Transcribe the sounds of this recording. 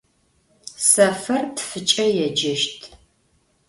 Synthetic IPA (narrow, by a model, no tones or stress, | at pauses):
sɐfɐrtʰfɨt͡ʃʼɐjɛd͡ʒɐʃtʰ